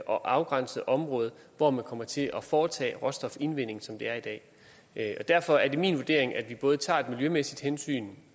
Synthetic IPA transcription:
ʔɒ̽ʔɑ̈ʊɡ̥ʁɑ̈n̰səð̩ˠʔɒ̽mʁɔ̽ːð̞̩ˠ | ʋɒmænkʰɒ̽mɐt͡sʰe̝lʔɒ̽fɒːt͡sʰɛ̰ːʁɒ̽sd̥ɒ̽fe̝nʋen̰e̝ŋ̩sɒ̽md̥e̝æɐid̥ɛ̰ː | ɒ̽d̥æɐ̰fɒ̽æɐd̥e̝mḭnʋuɐd̥e̝ɐe̝ŋæd̥ʋib̥ɔ̽ːð̞̩ˠt͡sʰɑ̰̈ːe̝d̥miljømesid̥hensy̰ːn

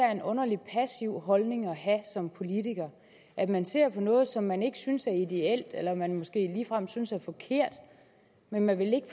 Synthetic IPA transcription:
æɐe̝nɔ̽nɐlipʰæsiʊ̰ɦɒ̽lne̝ŋɒ̽ɦæsɒ̽mpʰo̝lit͡sʰiɡ̥ɐ | ʔædmænse̝ɐ̰pʰɒ̽nɔ̽ːð̞̩ˠsɒ̽mːæne̝ɡ̥əsynsæɐid̥e̝el̰d̥elɐmænmɒ̽sɡ̥e̝̰ːliːfʁam̰synsæɐfɒ̽kʰe̝ɐ̰d̥ | menmænʋe̝le̝ɡ̥əf

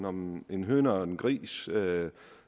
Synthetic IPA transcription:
nɒmenɦøːnɐenɡ̥ʁḭːs

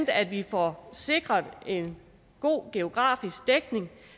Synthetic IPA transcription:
d̥æd̥ʋifɒse̝ɡ̥ʁɐðˠe̝n | ɡ̥o̝̰ːɡ̥e̝o̝ɡ̥ʁɑ̰̈ːfisɡ̥̚d̥eɡ̥ne̝ŋ

